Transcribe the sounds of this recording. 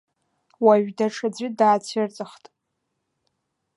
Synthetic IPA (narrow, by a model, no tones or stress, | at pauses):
waɥᶣdaʈ͡ʂʰad͡zʷɪdaːt͡sʰirt͡sʼɨχtʼ